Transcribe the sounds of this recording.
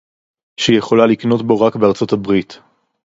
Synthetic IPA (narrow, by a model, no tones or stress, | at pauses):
ʃijeχo̞lalikno̞tbo̞ʁakbeaʁt͡so̞tabʁit̪